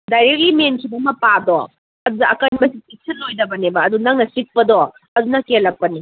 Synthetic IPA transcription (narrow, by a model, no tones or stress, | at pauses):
dajɾek̚limenkʰibɐmɐpadɔ | ɐdudɐɐkɐnbɐsiik̚sɐnːojdɐbɐnebɐːdunɐŋnɐsik̚pɐdɔ | ɐdunɐkelɐk̚pɐni